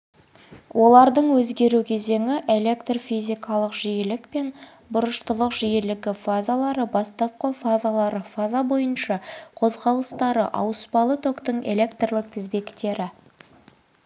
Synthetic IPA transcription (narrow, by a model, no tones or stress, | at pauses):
wʔo̞lˠɑɾd̪əɴwɵzɡʲe̞ɾukʲʰe̞ze̞ŋɪʔe̞le̞kt̪rofizʲijkɑlˠəqʒijɪlɪkpe̞n | bʊɾəʃt̪əlˠəqʒ̥ijɪlɪɡʲɪfazalˠɑɾəbɑst̪ɑp̚qəfazalˠɑɾəfazabo̞jənʃɑqʰo̞zʁɑlˠəst̪ɑɾə̰ʔɑ̰wəspɑlˠət̪ʰo̞kt̪əɴe̞̰le̞kt̪rlˠɪk̚t̪ʰɪzbe̞kt̪e̞ɾɪ